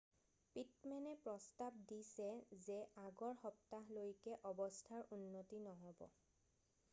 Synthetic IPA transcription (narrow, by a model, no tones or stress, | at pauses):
pit̚mɛnɛpɹɔstab̚disɛzɛaɡɔɹxɔp̚taɦlojkɛʔɔbɔstʰaɹunːotinɔɦɔbɔ̰